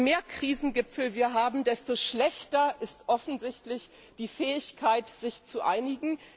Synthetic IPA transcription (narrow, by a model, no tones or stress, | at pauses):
meːɐkʁ̥iːzn̩ɡɪpfl̩viːɐɦaːbm̩dɛstoːʃlɛçtɐʔɪstʔɔfn̩zɪçtlɪç | d̥iːfɛːɪçkʰaɪtz̥ɪçt͡suʔa̰ɪnɪɡŋ̩